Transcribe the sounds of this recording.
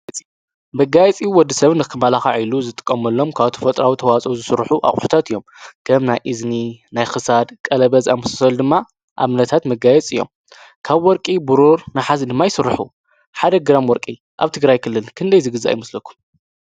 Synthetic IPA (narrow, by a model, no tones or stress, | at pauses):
bɐɡajɛt͡sʼiwɔd̪ːisɐβnɨkʰːɨmalaxa̰ʕiluzɨt̪ʼɨ̥kʼːɐmɐlːo̞mkʰaβt̪ʰɐ̥fɐt̪ʼɾawit̪ʰɐwat͡sʼɐwzɨsɨɾħuʔa̰χʼħu̥t̪ʰat̪ɨjːo̞mkʰɐmnajʔizninajxɨsad̪kʼɐlɐβɐza̰mɐsḁsɐld̪ɨmːa | ʔa̰βnɐt̪ʰat̪mɐɡajɛt͡sʼɨjːo̞̰m | kʰaβwɔɾkʼibuɾoɾnaħazɐd̪ɨmːajɪsɨɾːɨħu | ħad̪ɐɡɨɾamwɔɾkʼi | ʔaβt̪ʰɨɡɾajkʰɨlːɨnkʰɨnd̪ɐjzɨɡɨza̰jɪmɨslɐkʰːu̥m